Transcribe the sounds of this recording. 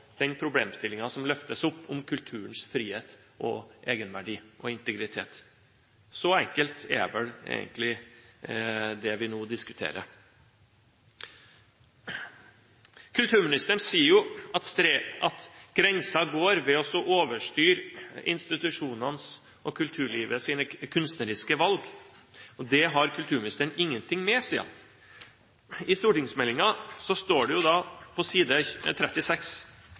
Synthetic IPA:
d̪̥ɛnpʰɾʊbleːmst̪ɪlːɪŋɑsɔmlœft̪əsʊpːɔmkʰʉlt̪ʰʉːɾənsfɾiːheːt̪ | ʔɔ̰ʔeːɡənʋæɖiːʔɔɪnt̪əɡɾɪt̪ʰḛːt̪ | sɔɛŋkəlt̪ɛ̰ʋɛlḛːɡənt̪lɪ | d̪ɛʋɪnoːd̪ɪskʉ̥t̪ʰḛːɾə̰ | kʰʉlt̪ʰʉːɾmɪnɪst̪əɳsiːəɾjʊɑt̪st̪ɾʔɑt̪ɡ̥ɾɛnsɑɡoːɾʋɛɔsɔʔoːʋəʂʈyːɾɪ̰nst̪ɪt̪ʉʂuːnɑns | ɔkʰʉlt̪ʰʉːɭiːʋəsiːnəkʰʉnst̪nəɾɪskəʋɑlɡ | ɔd̪ɛɦɑɾkʰʉlt̪ʰʉːmɪnɪst̪əɳɪŋːənt̪ʰɪŋmɛsɛ̰ɑ̰t̪ | ɪst̪uːʈɪŋsmɛlːɪŋɑsɔst̪oːɖɛjʊd̪ɑːpʰɔsiːd̪ət̪ʰɾɛt̪ːɪsɛks

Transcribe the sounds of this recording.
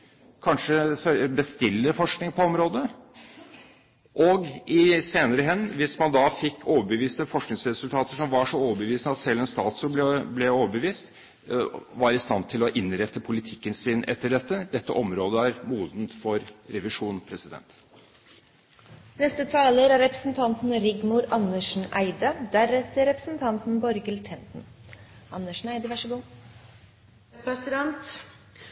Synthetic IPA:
kʰɑnʂəbəst̪ɪlːəfɔʂknɪŋpʰɔɔmɾoːd̪ə | ʔɔɡɪseːnəɾəɦɛnːʋɪsmɑnd̪ɑfɪkʰːoːʋəbəʋiːsnəfɔʂknɪŋsɾɛsʉlt̪ʰɑːt̪əʂɔmʋɑʂɔoːʋəbəʋiːsnəɑt̪sɛlːɛnst̪ɑːt̪sɔb̪ɛblɛoːʋəbəʋiːst̪ | ʋɑɾɪst̪ɑ̰nt̪ʰɪlɔʔɪnɾɛt̪ːəpʰʊlɪt̪ʰɪkːənsɪnʔɛ̰t̪ːəɖɛt̪ːəd̪ɛt̪ːə̰ʔɔmɾoːd̪əæɾmuːd̪nt̪fɔɾɾɛʋɪʂuːnpʰɾɛsɪd̪ɛ̰nt̪ | nɛst̪ət̪ʰɑːləɾæɾɛpɾəsn̩t̪ʰɑnt̪n̩ɾɪɡmʊɾɑnːəʂɳ̩æɪd̪əd̪æɾɛt̪əɾɛpɾə̥sn̩t̪ʰɑnt̪n̩bɔɾɡəlt̪ʰɛnt̪n̩ | ʔɑnːəʂɳ̩æɪd̪əʋæʂəbɔ | pɾɛsɪd̪ɛnt̪

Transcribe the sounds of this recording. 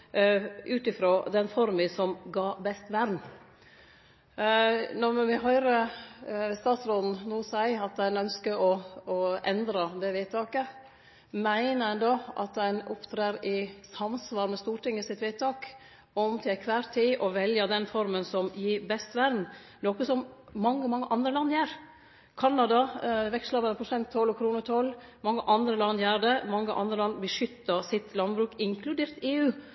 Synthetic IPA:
ʔʉːt̪ɪfɾoːd̪ɛnfɔɾmɪsɔmɡɑːbɛst̪ʋæɾn | nɔɾmɪɦœʏɾə | st̪ɑːt̪sɾoːd̪n̩nuːsæɪɑt̪̚d̪ɛnœnskəɾɔɔʔɛnd̪ɾɑd̪ɛʋiːt̪ʰɑːkə | mæɪnəɛnd̪oʔɑ̰t̪̚d̪ɛnʊ̰pt̪ʰɾeːɾɪsɑmsʋɑːɾmɛst̪uːʈɪŋːəsɪt̪ʋiːt̪ɑːk | ɔmt̪ʰɪkʰʋæːɾt̪ʰiːʔɔʋɛljəd̪ɛnfɔɾmənsɔmjiːɾbɛst̪ʋæɾd̪n̩ | noːkəsɔmmɑŋːəmɑŋːəʔɑnd̪ɾəlɑnːjæːɾ | kʰɑnːɑd̪ɑʋɛkslɑbənəpʰʊsɛnt̪ʰːɔlːɔkʰɾuːnəʈ̪ʰɔlmɑŋːəʔɑnd̪ɾəlɑnːjæːɾɖ̪ɛmɑŋːəʔɑ̰nd̪ɾəlɑnːbəʂʏt̪ːəsɪt̪lɑnbɾʉːkɪŋkʰlʉd̪eːɾt̪eːʉː

